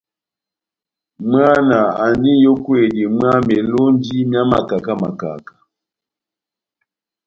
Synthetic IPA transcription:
m˦a˦na˨a˨n˦di˦jo˦kwe˦˨di˨m˦a˦mɛ˨lo˦n˦di˦mja˦ma̰˨ka˨ka˦ma̰˨ka̰˨ka˨

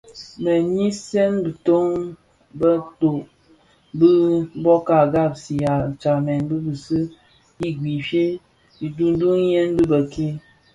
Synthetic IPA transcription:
mə˨ɲi˦sɛ˦nbɨ˨to˦ŋ | bə˦to˨ʔ | bɨ˦bɔ˦ka˨ɡa˦˨b̚si˨ja˨t͡ʃa˨mɛ˨nbɨ˦bɨ˨sɨ˦ | i˦ɡwi˨fje˦ | i˨du˦n˦du˦ŋ˦je˦nbɨ˦bə˨kʰe˦

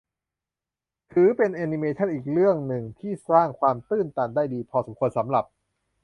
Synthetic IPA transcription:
t̪ʰɯː˨˩˦pe˧nʔaː˧ni˧meː˧t͡ɕʰa˥˩nʔiː˨˩k̚ɾɯ˥˩əŋnɯ˨˩ŋt̪ʰiː˥˩saː˥˩ŋkʰwaː˧mt̪ɯː˥˩nt̪aː˧ndaː˥˩jdiː˧pʰɔː˧sa˩˦mkʰu˧ənsa˩˦mɾa˨˩p̚

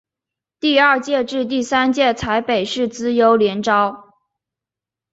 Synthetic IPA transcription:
t̪i˥˧ɐ˞˥˧t͡ɕjɛ˥˧ʈ͡ʂɻ̩˥˧t̪̬i˥˩sa˥nt͡ɕjɛ˥˩t͡sʰa˧˥ɪpe˨˩ɪʂɻ̩˥˩t͡sɹ̩˥jo˧˥ʊljɛ˧˥nʈ͡ʂɑ˥ʊ

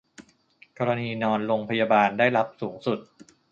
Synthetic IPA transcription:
kɔː˧ɾa˧niː˧nɔː˧nɾoː˧ŋpʰa˧jaː˧baː˧ndaː˥˩jla˦˥p̚suː˩˦ŋsu˨˩t̪̚

